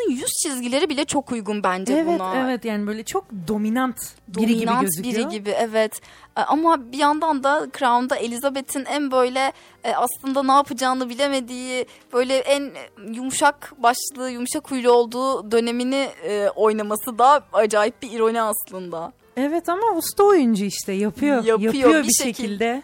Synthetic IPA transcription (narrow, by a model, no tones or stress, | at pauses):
ɯnjyzt͡ʃʰizɟilʲe̞ɾibilʲɛt͡ʃʰo̞kujɡunbænd͡ʒɛɛbvut̪aɛvɛt̪jaːnibøjlʲɛt͡ʃʰo̞k̚d̪o̞minant̪db̪oiɾiiinanøbiiɟibiɛvɛt̪ | ʔamabijand̪and̪akʰɾand̪aelʲizabe̞t̪ʰinænbø̞jlʲɛ | aslˠɯnd̪anaːpʰɯd͡ʒaːnɯbilʲe̞me̞d̪iː | b̥ø̞jlʲɛʔænjumʃakbaʃlˠɯːjumʃakʰːujlˠuo̞lˠd̪uːd̪ø̞ne̞miniɛo̞jnamasɯd̪aad͡ʒaːjip̚biiɾo̞niaslˠɯnd̪a | ɛvɛt̪ʰamaust̪ʰaojund͡ʒaiʃt̪ʰɛjapʰɯjojapjaɯjojobibiʃeecʰilʲd̪ɛ